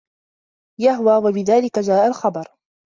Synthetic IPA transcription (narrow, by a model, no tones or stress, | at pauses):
jaɦwaːwabɪðaːlɪkad͡ʒaːʔalxɑbɑɾˤ